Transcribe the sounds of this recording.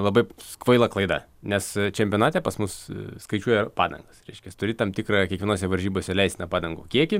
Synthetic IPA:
lˠɐbɐɪskʋɐɪlˠɐklˠɐɪd̪ɐ̰nʲɛst͡ʃʲɛmʲpʲoɔnɑːt̪ʲeːpɐsmʊsskɐɪt͡ʃʲuɔjɛpɑ̰ːd̪ɐ̰ŋɡɐsɾʲɛɪʃʲkʲɛt̪ʊɾʲɪt̪ɐmt̪ʲɪkɾɑːkʲiɛkʋʲɪnoːs̬ʲɛʋɐɾʲʒʲiːboːsʲɛlʲɛɪsʲt̪ʲnɐpɑːd̪ɐŋɡo̰ːkʲiɛkʲɪ

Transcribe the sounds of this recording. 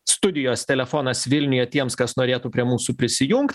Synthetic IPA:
st̪ʊd̪ʲɪjoːst̪ʲɛlʲɛfoːnɐsʋʲɪlʲnʲʊjɛt̪ʲiɛmskɐsnoːɾʲeːt̪uːpʲɾʲiɛmuːsupʲɾʲɪsʲɪjʊŋkt̪ʲ

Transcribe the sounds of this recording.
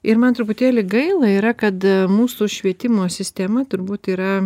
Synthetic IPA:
ɪɾmɐnt̪ɾʊpʊt̪ʲeːlʲɪɡɐɪlˠɐiːɾɐkɐt̪muːsuːʃʲʋʲiɛt̪ʲɪmoːsʲɪsʲt̪ʲɛmɐt̪ʊɾbuːt̪iːɾɐ

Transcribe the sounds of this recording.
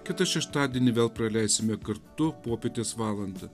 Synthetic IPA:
kʲɪt̪ɐʃʲɛʃt̪ɑːd̪ʲeːnʲɪʋʲeːlˠpɾɐlʲæɪsʲɪmʲɛkɐɾt̪ʊpoːpʲeːt̪ʲeːsʋɑːlˠɐnd̪ɐ

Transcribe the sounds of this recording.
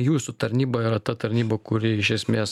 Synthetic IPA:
juːsut̪ɐɾʲnʲiːbɐɪɾɐt̪ɐt̪ɐɾʲnʲiːbɐkʊɾʲɪɪʃʲɛsʲmʲeːs

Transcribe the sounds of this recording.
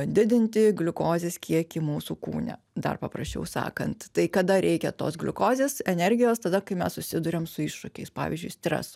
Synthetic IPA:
d̪ʲɪd̪ʲɪnʲt̪ʲɪɡlʲʊkoːzʲeːskʲiɛkʲɪmuːsuːkṵːnʲɛ̰ | d̪ɐ̰rpɐpɾɐsʲt͡ʃʲɛ̰ʊsɑ̰ːkɐnt̪t̪ɐɪkɐd̪ɐɾʲʔɛɪkʲɛt̪o̰ːsɡlʲʊkoːzʲeːsɛnʲɛrʲɡʲɪjoːst̪ɐd̪ɐkɐɪmʲɛssʊsʲɪd̪ʊɾʲɛmsʊɪʃʃʊkʲɛɪspɑ̰ːʋʲḭːzʲd͡ʒʊɪsʲt̪ʲɾʲɛ̰sʊ

